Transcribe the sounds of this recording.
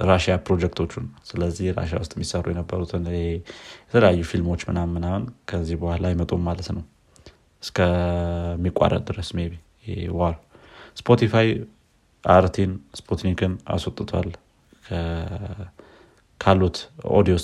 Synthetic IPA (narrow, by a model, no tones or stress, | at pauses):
ɾaʃijapɾo̞d͡ʒɛkt̪ʰo̞t͡ʃːunsɨləzːihɾa̰ʃa̰wʊst̪ʼmːisərːujɛnəbːəɾut̪ʰɨnɨhejɛt̪ʰələjajːufilmo̞t͡ʃːmɨnamːɨnamənkʰəzːihbuhalajɪmət̪ʼommalət̪nəw | ɨskʰə | mːikʼa̰ɾə̰d̪ɨɾəsmeβi | waɾspʰo̞t̪ʰifaj | ʔaɾt̪ʰinspʰot̪nikʰɨna̰swot̪ʼːɨt̪ʰa̰l | kʰə | kʰalːut̪o̰d̪ios